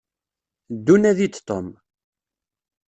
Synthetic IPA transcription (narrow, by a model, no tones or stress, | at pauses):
d̪ːunæðit͡sːt̪ːom